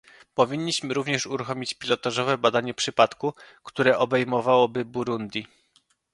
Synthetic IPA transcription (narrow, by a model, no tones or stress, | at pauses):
pɔvʲiɲːiɕmɘɾuvɲɛʂuɾuxɔmʲit͡ɕpʲilɔt̪aʐɔvɛbad̪aɲɛpʂɘpat̪kukt̪uɾɛʔɔbɛjmɔvawɔbɘbuɾund̪ʲi